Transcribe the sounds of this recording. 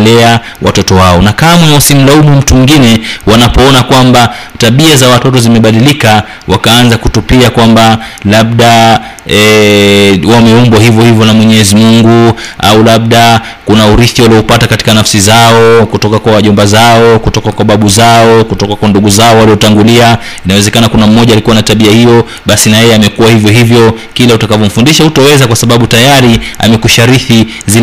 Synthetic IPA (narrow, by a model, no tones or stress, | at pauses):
lɛa | wa̰tɔtɔwaɔnakamaasim̩laumum̩tumiŋɡinɛwanapɔɔnakwamba | taɓiazawatɔtɔzimɛɓaɗilika | wʔakaanzakutupiakwambalaɓ̚ɗa | ɛ | wamɛɔmbaɦivjɔhivjɔnamwɛɲɛzimuŋɡua̰ulaɓ̚ɗa | kunauɾiθiwaliɔpatakati̥kanafsizaɔkutɔkakwawaʄɔmbazaɔkutɔkakwaɓaɓuzaɔkutɔkakwanduɠuzaɔwaliɔtaŋɡulia | inawɛzɛkanakunam̩ːɔʄalikuwanataɓiahijɔ | ɓasinajɛɛamɛkuwahivjɔhɦivjɔ | kilautakavɔm̩fundiʃahutɔwɛzakwasaɓaɓutajaɾia̰mɛkuʃaɾiθi | zi